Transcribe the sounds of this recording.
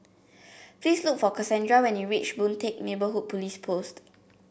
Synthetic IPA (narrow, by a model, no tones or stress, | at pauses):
plisluk̚fɔkasɛ̃ndɹawɛ̃njuɹit͡ʃbũntʰek̚nebəɦud̚pʰɔlispʰost